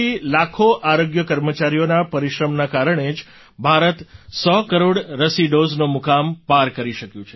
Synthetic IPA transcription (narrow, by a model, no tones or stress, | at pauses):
ilakʰoʔaɾoɡjəkəɾmət͡ʃaɾijonapəɾiʃɾəmnakaɾəɳ̃ed͡ʒ | bʱaɾət̪sɔkəɾoɽɾəsiɖoznomukampaɾkəɾiʃəkjũt͡ʃʰe